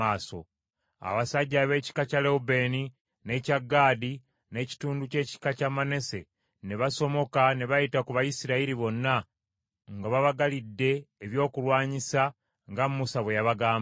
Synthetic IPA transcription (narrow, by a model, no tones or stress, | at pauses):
aːso̰ | a̰βasaɟːaβe̞ːci̥kacaleube̞ːni | ne̞caɡːaːdi | ne̞ːci̥tuːnduce̞ːci̥kacamane̞se̞ | neβaso̞mo̞kaneβajitakuβajisiɾaiɾiβo̞nːa | ŋɡaβaβaɡalidːe̞ːβjo̞ːkulwaːɲisa | ŋɡammusaβwe̞jaβaɡaːm